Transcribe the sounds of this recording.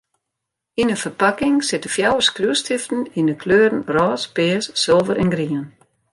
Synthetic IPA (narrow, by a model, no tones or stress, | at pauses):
inəfərpakɪŋsɪtəfjawəskruəstʰɪftn̩inəkʰløːɾən̩rɔːspɪːəsːɪlˠvəɾɛnɡriən